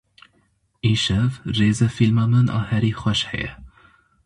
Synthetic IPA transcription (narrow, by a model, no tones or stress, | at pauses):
iʃɛvreːzɛfilmɒmɒnɒ̰hɛɾiχɒʃhɛ̰jɛ̰